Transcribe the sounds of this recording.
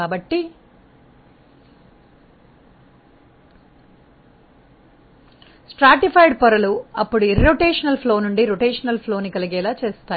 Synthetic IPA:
aːbɐʈːi | sʈɾaːʈipʰɐjɖpɐɾɐluɐpːuɽuiɾɾoʈeːʂɐnɐlpʰlo̞ːnuɳɖiɾoʈeːʂɐnɐlpʰloːnikɐliɡɛːlaːt͡ʃeːst̪aː

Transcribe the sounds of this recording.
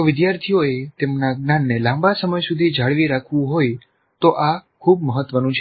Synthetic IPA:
oʋɪd̪jaɾt̪ʰijoet̪emnaɡnanːelãmbasəməjsud̪ʱid͡ʒʱaɭʋiɾakʰʋũɦoj | t̪oʔakʰub̚məɦət̪ʋənũt͡ʃʰe

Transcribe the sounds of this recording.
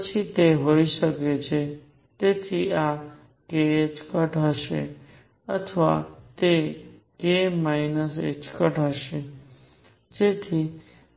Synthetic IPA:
ət͡ʃʰit̪eɦoiʃəket͡ʃʰe | t̪et̪ʰia | keet͡ʃkəʈɦəʃḛ | ət̪ʰəʋa̰t̪ekemainəsḛt͡ʃkəʈɦəʃe | d͡ʒet̪ʰi

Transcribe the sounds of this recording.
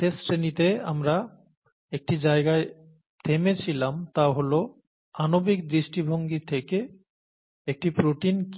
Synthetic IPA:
ʈesɾenit̪ea̰mɾa | ek̚ʈid͡ʑaeɡae | t̪ʰemet͡ɕʰilamt̪aɦolo | anobikd̪ɾiʃʈibʱoŋɡit̪ʰeke | ek̚ʈipɾoʈink

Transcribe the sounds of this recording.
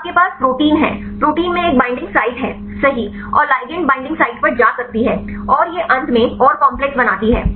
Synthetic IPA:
kepaːspɾoːʈiːnɦɛ̰̃ːpɾoːʈiːnmẽeːk̚bãːɪ̃ɳɖɪ̃ŋɡsaːɪʈɦɛ̰ː | sɐɦi | ɔ̰ːɾlaːɪɡə̃ɳʈ̚bãɪ̃ɳɖɪ̃ŋɡsaːɪʈ̚pɐɾd͡ʒaːsɐk̚t̪iɦɛːɔːɾjeʔɐ̃nd̪ʱmẽɔːɾkɔ̃ːmplɛk̚sbɐnaːt̪iɦɛ̰ː

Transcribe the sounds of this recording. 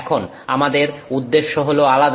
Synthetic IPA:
kʰon | amad̪eɾud̪ːeʃːoɦoloalad̪

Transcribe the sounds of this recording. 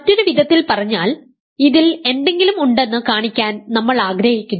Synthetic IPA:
ɐtːoɾuʋid̪ʱɐt̪ːilpɐrɐɲːaːl | iðile̞nd̪e̞ŋɡilumuɳɖe̞nːɨkaːɳikʲːaːnnɐmːɐɭaːɡɾɐhikʲːunː

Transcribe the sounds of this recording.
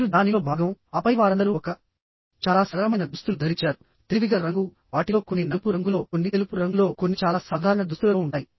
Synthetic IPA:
ɾud̪aːniloːbʱaːɡɐmɐpɐjʋaːɾɐnd̪ɐɾuːkɐ | t͡ʃaːlaːsɐɾɐmɐjnɐd̪ust̪ulud̪ʱɐɾit͡ʃaːɾu | t̪iʋiɡɐɾɐŋɡu | ʋaːʈilo̞ːkonːinɐpuɾɐŋɡulo̞ːkonːit̪elupuɾɐŋɡulo̞ːko̞nːit͡ʃaːlaːsaːd̪ʱaːɾɐɳɐd̪ust̪ulɐoːuɳʈaːji

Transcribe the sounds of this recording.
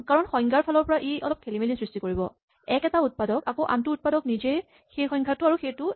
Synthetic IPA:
kaɹɔnxɔj̃ŋɡaɹpʰalɔɹpɔɹaʔiʔɔ̰lɔp̚kʰelimelinsɹistikoɹibɔ̰ | ɛkɛtaut̚padɔkakoʔa̰ntuut̚padɔknizej | xejxɔjŋɡʰʱatʊaɹuxejtʊ

